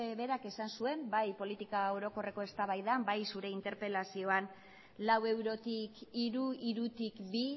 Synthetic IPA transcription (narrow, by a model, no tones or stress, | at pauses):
eβe̞ɾake̞sansue̞mbajpo̞lit̪ikao̞ɾo̞ko̞re̞ko̞e̞st̪aβajðambajsuɾe̞int̪e̞ɾpe̞lasio̞an | lawe̞wɾo̞t̪ikiɾuiɾut̪ikbi